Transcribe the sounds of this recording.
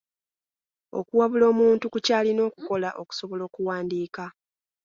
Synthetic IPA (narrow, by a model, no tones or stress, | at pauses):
o̞̰kuwaβulo̞ːmuːntukucaːlino̞ːku̥ko̞laʔo̞ku̥so̞βo̞lo̞ːkuwaːndiːka